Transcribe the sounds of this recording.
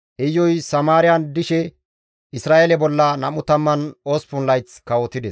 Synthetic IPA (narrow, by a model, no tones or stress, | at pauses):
ʔɛjːɔjsɐmaːɾɪjɐnd̪ɪʃɛ | ɪsɾaːʔelɛbɔlːɐnɐmʊt̪ɐmːɐnoːspʊnlɐjt͡skɐwɔt̪ɪd̪ɛs